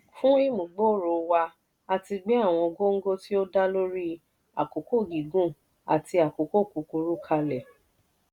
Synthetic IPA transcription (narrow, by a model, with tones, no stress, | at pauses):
fũ˦i˦mũ˨ɡ͡bo˦˨ɾo˨wa˧ | a˧ti˧ɡ͡be˦a˦˨w̃ɔ̃˧ɡo˦ŋ̩˦ɡo˦ti˦o˦da˦lo˦ɾi˦ | a̰˨ko˨ko˦˨ɡi˨ɡũ˦˨ | a̰˨ti˧a˨ko˨ko˦˨ku˨ku˧ɾu˦kʰa˧lɛ˨